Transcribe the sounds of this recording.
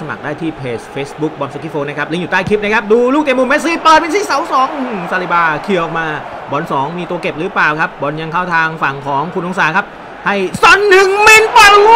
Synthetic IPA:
sa˧ma̰˨˩k̚daː˥˩jt̪ʰiː˥˩pʰeː˨˩sfeː˦˥sbu˦˥k̚bɔ˧nsu˧kʰi˦˥˩foː˧na˦˥k̚ʰli˧ŋjuː˨˩t̪aː˥˩jkʰi˦˥p̚na˦˥˩kʰa˦˥p̚duː˧luː˥˩t̪i˨˩ə˦mu˧me˦˥siː˧˥plɤː˨˩t̪̚pe˧nsiː˧˥˩sa˨˦wsɔː˨˦ŋʔɯ˧sa˧li˨˧˩baː˧kʰi˧əʔɔ˨˩k̚maː˧ | bɔː˨˩˦nsɔː˩˦ŋmiː˧t̪u˧ɐke˨˩p̚ɾɯː˨˩˦plaː˨˩wkʰa˦˥p̚bɔ˧nja˧ŋkʰaː˥˩wt̪ʰaː˧ŋfa˨˩ŋkʰɔː˩˦ŋkʰu˧nʔo˧ŋsaː˨˦kʰa˦˥p̚ | ha˥˩jsɔ˨˦nːɯ˨˩ŋme˧npɔ˧˩

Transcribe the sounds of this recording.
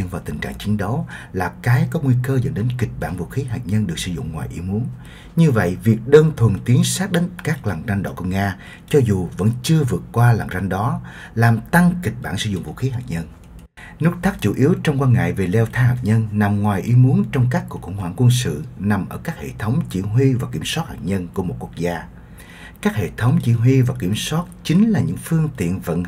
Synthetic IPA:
ə˧nvaː˨˩wt̪ï˨˩ŋ̟t͡ɕa̰ː˧˨ŋt͡ɕi˨˦ŋɗə˨˦wlaː˨˩kaː˨˦jkɔ˨˦ŋwi˧kəː˧zə̰˧˥nɗe˨˦nki˨˩k̟̚ɓa̰ː˧˨nvṵ˧˨xi˨˦ɦaː˨˩t̚ɲə˧nɗɨ˨˩ək̚sɨ̰˧˩zʊ̰˧˨ŋ͡mŋwaː˨˩jʔḭ˨˧˦mu˨˦ən | ɲɨ˧və̰˧˨jvi˨˩ək̚ɗəː˧nt̪ʰwə˨˩ənt̪i˨˦ənsaː˦˥k̚ɗe˧˦ŋkaː˦˥k̚la˨˩ŋza˧ŋɗɔ̰˧˨˩ku˧ŋaː˧ | t͡ɕɔ˧zu˨˩və̰˧˥nt͡ɕɨ˧əvɨ˨˩ət̚kwaː˧la˨˩ŋza˧ŋɗɔ˨˦ | laː˨˩mt̪a˧ŋkï˨˩k̟̚ɓaː˧˨nsɨ̰˧zʊ̰˧˨ŋ͡mvṵ˧˨xi˨˦ɦaː˨˩k̚ɲə˧n | nu˦˥k̚t̪ʰaː˦˥k̚t͡ɕu˧˩ʔi˨˦əwt͡ɕɔ˧wŋ͡mkwaː˧ŋa̰ː˧˨jve˨˩lɛ˧wt̪ʰaː˧haː˨˩p̚ɲə˧nna˨˩mŋwaː˨˩jʔi˨˦mu˨˦ənt͡ɕɔ˧wŋ͡mkaː˦˥kːu˨˩əkxʊ˧˩ŋ͡mhwa̰ː˧˨ŋkwə˧nsɨ̰˧˨na˨˩mʔəː˧˩kaː˦˥k̚hḛ˧˨t̪ʰə˨˦wŋ͡mt͡ɕḭ˧˩ɦwi˧vaː˨˩ki˧˩əmswa˦˥t̚haː˨˩p̚ɲə˧nku˧˩əmo˨˩t̚ku˧˥ək̚zaː˧ | kaː˦˥k̚hḛ˧˨t̪ʰə˨˦wŋ͡mt͡ɕḭ˧˥ɦwi˧vaː˨˩ki˧˩əmswaː˦˥t̚t͡ɕï˨˦ŋ̟laː˨˩ɲɨ̰˧˥ŋfɨ˧əŋt̪ḭ˧˨ənvə̰˧˥n

